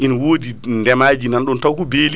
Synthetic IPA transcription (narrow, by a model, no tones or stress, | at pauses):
ʔinwoːdindɛmaːd͡ʒinanɗɔntawkubeːl